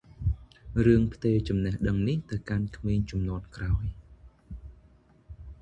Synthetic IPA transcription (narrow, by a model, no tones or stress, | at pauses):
rɨəŋpʰt̪eːt͡ɕɑmnĕəhɗəŋniht̪ɨwkankʰmiːɲt͡ɕɑmnŏən̚kraɔj